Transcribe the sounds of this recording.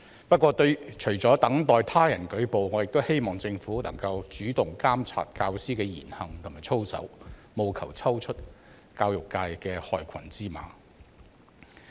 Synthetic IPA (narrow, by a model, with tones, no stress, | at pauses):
pɐ˥t̚kʷɔː˧t̪ɵ˧ɥt͡ʃʰɵ˨˩ɥt͡sɔː˨˥t̪ɐ˨˥ŋt̪ɔː˨jt̪ʰaː˥jɐ˨˩nkɵ˨˥ɥpo˨wŋɔː˨˧jɪ˨k̚t̪o˥whe˥jmɔː˨˩ŋt͡sɪ˧ŋfuː˨˥lɐ̰˨˩ŋkɐ˧wt͡ʃyː˨˥t̪ʊ˨˩ŋkaː˥mt͡sʰa̰ː˨˩t̚kaː˧wsiː˥kɛː˧jḭː˨˩nhɐ˨ŋt̪ʰʊ˨˩maː˨jt͡sʰo˥wsɐ̰˨˥wmo˨˧wkʰɐ˨˩wt͡sʰɐ˥wt͡ʃʰɵ˥t̚ | kaː˧wjʊ˨˩kːaː˧jkɛː˧hɔː˨jkʰɐ˨˩nt͡siː˥ma̰ː˨˥